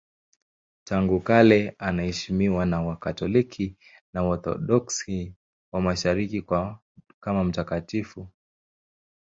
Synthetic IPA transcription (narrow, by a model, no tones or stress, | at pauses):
taŋɡukalɛanahɛʃimiwanawakatɔlikʰi | naɔθɔ̰ɗɔksi | wamaʃaɾikia | kamam̩takatifu